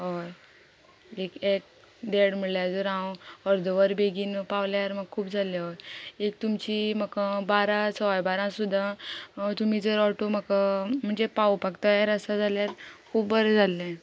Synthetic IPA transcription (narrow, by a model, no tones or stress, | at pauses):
ɦo | ekek̚ | d̪eɽm̤əɭljad͡zəɾãwɔɾd̪əʋəɾbeɡiːnpaʋljaɾməɡ̚kʰuːpd͡zaljaʋoek̚t̪umt͡ɕiːməkabaɾãt͡səʋajbaɾãsud̪ʱːat̪um̤id͡zəɾɔʈoməkam̤əɳd͡zepawpaɡt̪aeɾəst̪ad͡zaljaɾkʰuːpbəɾəd͡zʱalːɛ̃